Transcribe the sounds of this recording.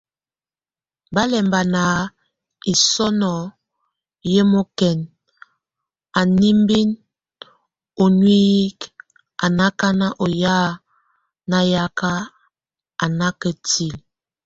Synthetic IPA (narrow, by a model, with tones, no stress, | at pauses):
ba˦lɛ˨mba˨na˨˦ | i˨sɔ˦nɔ˨ | je˦mo˦kɛ˨n | a˨ni˦mbi˦n | o˨nwi˦i˦k | a˨na˦ka˦na˦ʔo˨ja˦ | na˨ja˦ka˦ | a˨na˦kə˨ti˨l